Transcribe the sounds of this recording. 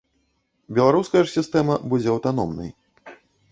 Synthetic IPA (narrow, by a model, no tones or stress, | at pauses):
bʲɛlˠaɾuskɐjɐʂsʲist̪ɛmɐbud͡zʲɛɐwt̪anɔ̰mnɐ̰j